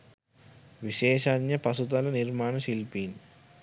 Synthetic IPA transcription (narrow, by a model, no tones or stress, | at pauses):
ʋiʃeːʃaːnjɐpɐsut̪ɐlɐniɾmaːɳɐʃilpiːn